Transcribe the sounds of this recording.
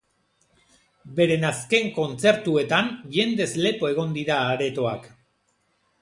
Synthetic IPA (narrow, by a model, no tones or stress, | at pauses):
be̞ɾe̞naske̞ŋko̞nt͡se̞ɾt̪ue̞t̪anʝe̞nd̪e̞zle̞po̞e̞ɣ̞o̞nd̪iɾaːɾe̞t̪o̞a̰k